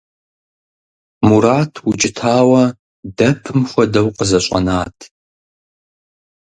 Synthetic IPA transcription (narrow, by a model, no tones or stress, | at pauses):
muɾaːtʰwʊt͡ʃʼɪtʰaːwɐ | dɐpʰɨmxʷɐdɐwqəzɐɕʼɐ̰naːtʰ